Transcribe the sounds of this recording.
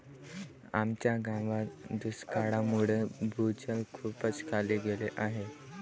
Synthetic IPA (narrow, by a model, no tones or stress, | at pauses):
a̰mt͡ɕjaɡãʋad̪uskaɽamuɭebʱut͡ɕalkʰuːpət͡skʰaleɡeleʔaɦe